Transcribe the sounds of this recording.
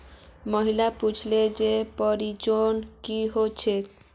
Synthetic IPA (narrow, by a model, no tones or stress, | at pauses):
məɦilaput͡ʃʰled͡ʒepɔɾit͡ʃonkiɦot͡ʃʰek